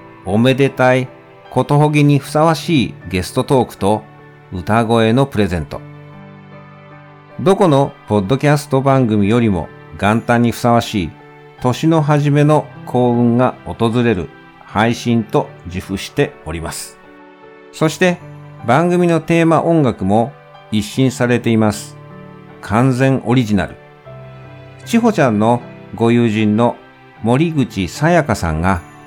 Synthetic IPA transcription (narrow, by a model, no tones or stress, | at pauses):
o̞me̞d̪e̞t̪ai | ko̞t̪o̞ɦo̞ɡʲiɲ̟iɸɯ̟̥saβ̞aɕiːɡe̞sɨ̥t̪o̞t̪o̞ːkɯ̟̥t̪o̞ | ɯ̟t̪aɡo̞e̞no̞pɯ̟ɾe̞zẽ̞̰nt̪o̞ | d̪o̞ko̞no̞po̞d̪ːo̞kʲasɨ̥t̪o̞bãŋɡɯ̟mʲijo̞ɾʲimo̞̰ | ɡãnt̪ãɲ̟ːiɸɯ̟̥saβaɕiː | t̪o̞ɕino̞ɦaʑime̞no̞kʰo̞ːɯ̟̃ŋɡaot̪o̞zɨɾe̞ɾɯ̟̰ | haiɕĩnt̪o̞d͡ʑiɸɯ̟ɕi̥t̪e̞o̞ɾʲimasɨ̥ | so̞ɕi̥t̪e̞bãŋɡɯ̟mʲino̞t̪e̞ːmaʔõ̞ŋɡakɯ̟mo̞ | iɕːĩɰ̃saɾe̞t̪e̞imasɨ̥ | kʰãnzẽ̞ɰ̃ʔo̞ɾʲiʑina̰ɾɯ̟̰ | t͡ɕiɦo̞t͡ɕãnːo̞ɡo̞jɯːʑĩnːo̞ | mo̞ɾʲiɡɯ̟t͡ɕisajakasã̰ŋɡa